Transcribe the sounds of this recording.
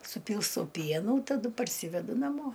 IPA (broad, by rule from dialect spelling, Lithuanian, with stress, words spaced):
sʊˈpʲiːlˠstɐʊ ˈpʲiɛnuː tɐˈdʊ pɐrʲˈsʲiːʋʲɛdʊ nɐˈmoː